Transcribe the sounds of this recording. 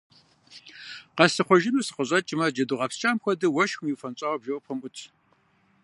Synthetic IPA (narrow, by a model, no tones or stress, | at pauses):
qɐsɨχʷɔʒɪnusɨ̥qəɕʼɐt͡ʃʼɪmɐd͡ʒɐduʁɐpst͡ʃʼaːmxʷɔdɨwɐʃxʷʊmjiwfɐnt͡ʃʼɐːwɐbʒɐwpʰɨmʔʊtʰ